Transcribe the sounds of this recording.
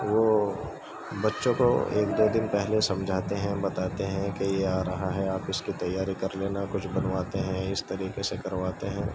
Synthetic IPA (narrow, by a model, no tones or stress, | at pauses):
ʋoː | bɐtːʃõko̰ḛːk̚d̪oːd̪ɪnpɛɦlesɐ̃md͡ʒʱaːt̪eɦɛ̃bɐt̪aːt̪eɦɛ̃kejeaːɾɐɦaɦɛaːpɪskit̪ɐjːaːɾikɐɾleːnakʊt͡ʃʰbɐnʋaːt̪eɦɛ̃ɪst̪ɐɾiːkesekɐɾʋaːt̪eɦɛ̃ː